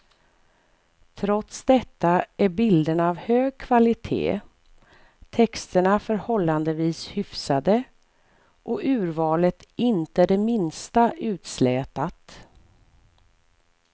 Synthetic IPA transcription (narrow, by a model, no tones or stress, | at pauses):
t̪ʰɾɔt̪sd̪ɛt̪ːaæɾbɪld̪ənavhøːɡ̚kʰvalɪt̪ʰḛː | t̪ʰɛkst̪əɳafœɾhɔlːand̪əviːshʏfsad̪ə | ʔɔʉ̟ːɾvɑːlət̪ɪnt̪əɖ̪ɛmɪnst̪aʔʉ̟ːt̪slɛːt̪at̪